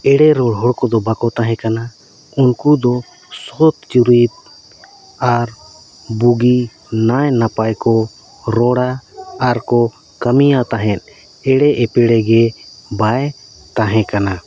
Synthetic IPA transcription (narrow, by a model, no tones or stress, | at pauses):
ɛɽɛɾɔɽɦɔɽkɔd̪ɔbakɔt̪aɦɛ̃kana | unkud̪ɔ | sɔt̪̚t͡ʃuɾit̪̚ | aɾ | buɡi | najnapajkɔ | ɾɔɽaːɾkɔ | kəmijat̪aɦɛ̃t̪̚ˀ | ɛɽɛɛpɛɽɛɡɛbaj | t̪aɦɛ̃kana